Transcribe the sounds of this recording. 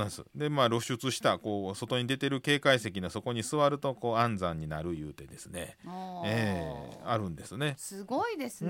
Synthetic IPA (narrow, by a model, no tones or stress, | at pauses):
nãsɨ̰d̪e̞maːɾo̞ɕɨt͡sɨɕi̥t̪ako̞ːso̞t̪o̞ɲ̟id̪e̞t̪e̞ɾɯ̟ke̞ːkaise̞kʲinaso̞ko̞ɲ̟isɨβaɾɯ̟t̪o̞ko̞ːãnd͡zãɲ̟ːinaɾɯ̟jɯːt̪e̞d̪e̞sɨne̞̰eːaɾɯ̟̃nd̪e̞sɨne̞sɨɡoid̪es